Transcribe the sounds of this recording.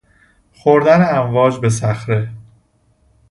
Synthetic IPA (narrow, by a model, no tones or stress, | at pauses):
xoɾd̪æneæɱvɒːd͡ʒbe̞s̬æxɾe̞